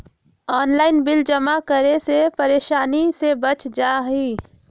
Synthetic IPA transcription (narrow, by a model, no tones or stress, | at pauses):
ɔːnlaːɪnbɪld͡ʒəmakəɾesepəɾeːʃaːnisebət͡ʃd͡ʒaːɦi